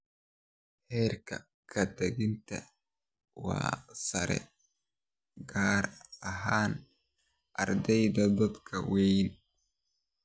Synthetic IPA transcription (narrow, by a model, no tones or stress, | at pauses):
hɛːrkʰɐ̰ | kʰɐd̪ɐɣɪnt̪ʰɐ | wɑ̰ːsɐɾɛ̰ | ɡaːɾɐɦaːn | ʔɐrd̪ɛjd̪ɐd̪ɐd̪kʰɐwɛjn